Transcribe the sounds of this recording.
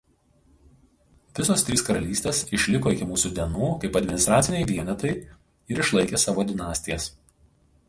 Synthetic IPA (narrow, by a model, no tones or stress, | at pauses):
ʋʲɪsoːst̪ʲɾʲiːskɐɾɐlʲiːsʲt̪ʲeːsɪʃʲlʲɪkoːɪkʲɪmuːsuːd̪ʲiɛnuːkɐɪpɐd̪ʲmʲɪnʲɪst̪ɾɑːt̪sʲɪnʲɛɪʋʲiɛnʲɛt̪ɐɪ | ɪɾɪʃlˠɐɪkʲeːsɑːʋoːd̪ʲɪnɑːsʲt̪ʲɪjɛs